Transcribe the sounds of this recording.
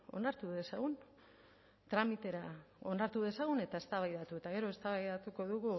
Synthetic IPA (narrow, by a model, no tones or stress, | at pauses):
o̞̰naɾt̪uðe̞saɣ̞un | t̪ɾamit̪e̞ɾao̞naɾt̪uðe̞saɣune̞t̪ae̞st̪aβajðat̪ue̞t̪aɣe̞ɾo̞e̞st̪aβajðat̪uko̞ðuɣu